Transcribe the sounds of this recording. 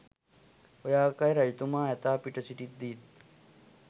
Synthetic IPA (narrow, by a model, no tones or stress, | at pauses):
ojaːkɐjɾɐjt̪umaːɦɛt̪aːpiʈɐsiʈit̪̚d̪iːt̪